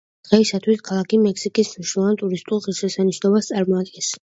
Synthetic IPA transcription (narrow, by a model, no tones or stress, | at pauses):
d̪̥ʁɛisat̪ʰwiskʰalˠakʰimɛksikʼisniʃuvˠant̪ʼuɾist̪ʼulˠχiɾʃɛsaniʃnɔbast̪sʼaɾmɔad̪ɡɛns